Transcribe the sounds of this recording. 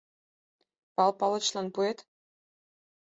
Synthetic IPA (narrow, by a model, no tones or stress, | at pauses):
pɑlˠpɑlˠɤ̆t͡ɕlˠɑnpuet̪